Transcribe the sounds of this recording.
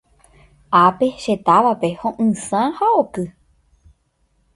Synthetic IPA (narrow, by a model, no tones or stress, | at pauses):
ʔape̞ʃe̞t̪aʋape̞hõʔɨ̃sãhaokɨ